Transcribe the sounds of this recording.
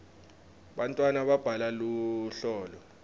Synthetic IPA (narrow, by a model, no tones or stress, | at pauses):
ɓantʼwanaɓab̥ʱalaluɬɔːlɔ